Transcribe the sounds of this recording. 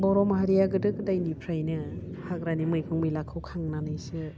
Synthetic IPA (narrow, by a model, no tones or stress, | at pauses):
bɔɾɔmaɦaɾijaɡɯdɯkdajnipʰɾajnɯ | haɡɾanimɯjkʰɯŋmijlakʰɯwkʰaŋnanɯjsɯ